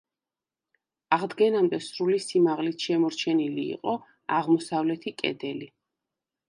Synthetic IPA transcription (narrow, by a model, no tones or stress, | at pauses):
aʁd̪ɡɛnamd̪ɛsɾulisimaʁlit̪ʰʃɛmɔɾt͡ʃʰɛnilḭːqʼɔ | aʁmɔsavlɛt̪ʰikʼɛ̰d̪ɛli